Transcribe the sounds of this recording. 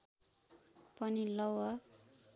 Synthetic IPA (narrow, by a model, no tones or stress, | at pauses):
pʌnilʌwʌ